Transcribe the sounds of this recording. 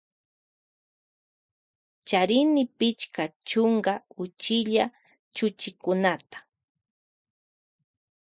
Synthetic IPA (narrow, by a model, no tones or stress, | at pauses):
t͡ʃaɾɪnɪpɪt͡ʃkat͡ʃʊŋɡaʊt͡ʃɪʎa | t͡ʃʊt͡ʃɪkʊnat̪ḁ